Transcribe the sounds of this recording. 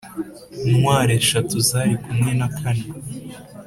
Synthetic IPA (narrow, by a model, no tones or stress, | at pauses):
umwaːɾeʃatuzaɾikumŋe̞nakʰane